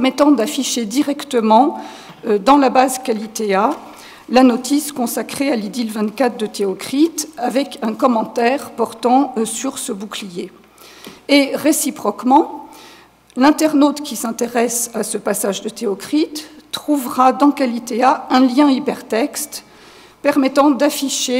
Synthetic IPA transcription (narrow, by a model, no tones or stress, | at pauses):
pɛʁmɛt̪ɑ̃d̪afiʃed̪iʁɛkt̪əmɑ̃ | ød̪ɑ̃labazkalit̪ea | lanɔt̪iskɔ̃sakχealid̪ilvɛ̃t̪kat̪χd̪ət̪eɔkχit̪avɛkɛ̃kɔmɑ̃t̪ɛʁpɔʁt̪ɑ̃syʁsəbuklije | eʁesipχɔkmɑ̃ | lɛ̃t̪ɛʁnot̪kʲisɛ̃t̪eʁɛsasəpasaʒd̪ət̪eɔkχit̪ːχuvʁad̪ɑ̃kalit̪eaɛ̃ljɛ̃ipɛʁt̪ɛkst̪ | pɛʁmɛt̪ɑ̃d̪afiʃe